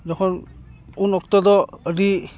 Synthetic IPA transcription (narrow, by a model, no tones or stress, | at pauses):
dɔkʰɔnunɔk̚tɔdɔədi